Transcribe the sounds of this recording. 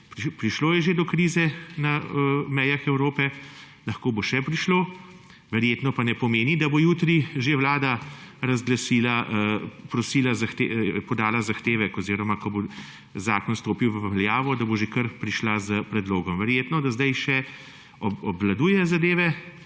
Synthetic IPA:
pɾpɾiʃloːjɛʒed̪ɔkɾiːzɛnamɛjaxɛwɾoːpɛ | lɐxkoːboʃɛpɾiʃloː | ʋɛɾjeːt̪nɔpanɛpɔmeːnid̪abojuːt̪ɾiʒewlaːd̪aɾazɡlasiːlaəpɾɔsiːlazaxt̪epɔd̪aːlazaxt̪eːʋɛkɔziːɾɔmakɔbo | zaːkɔnst̪oːpiwʋljaːʋɔd̪aboʒekəɾpɾiʃlazəpɾɛd̪loːɡɔmʋɛɾjeːt̪nɔd̪azd̪ajʃɛ | ɔɔbʋlad̪uːjɛzad̪eːʋɛ

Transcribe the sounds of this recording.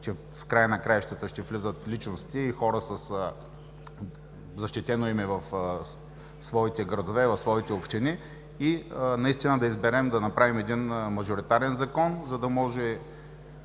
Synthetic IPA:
t͡ʃɛ | fkɾajənɐkɾajʃt̪ət̪əʃt̪ɛvlʲizət̪lit͡ʃnost̪iːxɔɾəsəs | zɐʃt̪it̪ɛnoimɛvɐf | svɔit̪ɛɡɾɐd̪ovɛvɐfsvɔit̪ɛopʃt̪ini | inɐist̪inəd̪ɐizbɛɾɛmd̪ɐnɐpɾavimɛd̪inmɐʒoɾit̪aɾɛnzɐkɔnzɐd̪ɐmɔʒɛ

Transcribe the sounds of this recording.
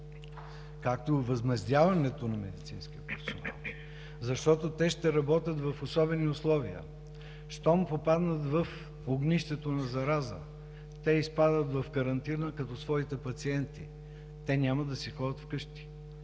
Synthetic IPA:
kakt̪ovɐzmɛzd̪ʲjavɐnɛt̪onɐmɛd̪it̪sĩnsk̟iəpɛfsona̰lˠ | zɐʃt̪ɔt̪ot̪ɛʃt̪ɛɾɐbɔt̪ʲət̪vɐfosɔbɛniʊslˠɔviə̰ | ʃt̪ɔmpopad̪nət̪vɐf | oɡniʃt̪ɛt̪onɐzɐɾazə̰ | t̪ɛispad̪ət̪vɐfkɐɾɐnt̪inəkɐt̪ɔsvɔit̪ɛpɐt̪siɛnt̪ḭ | t̪ɛnʲamɐd̪ɐsixɔd̪ət̪fkɤʃt̪i̥

